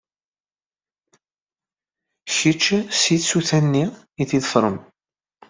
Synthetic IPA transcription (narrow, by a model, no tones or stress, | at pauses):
çit͡ʃːsiðsuθænːi | iθiðˤəfɾˤəm